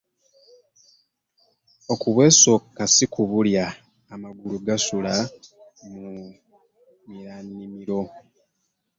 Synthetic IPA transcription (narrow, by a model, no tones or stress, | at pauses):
o̞kuβwe̞ːso̞kːasikuβuljaː | maɡuluɡasula | mu | miɾaːnːimiɾo̞